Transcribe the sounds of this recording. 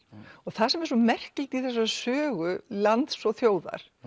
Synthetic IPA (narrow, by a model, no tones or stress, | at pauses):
ɔɣθaðsɛmɛɾ̥sɔmɛr̥kɪlt̪iθɛs̬asœːɣʏlant̪sɔθjoːwða̰ɾ̥